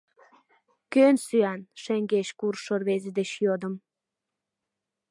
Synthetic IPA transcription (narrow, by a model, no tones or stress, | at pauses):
kønsyænʃeŋɡeʃkurʃorβezed̪eɕjod̪ə̆m